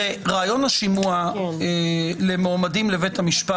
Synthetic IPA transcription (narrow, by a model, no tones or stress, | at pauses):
eʁaːjo̞naʃimua | lemoamadimlevethamiʃpa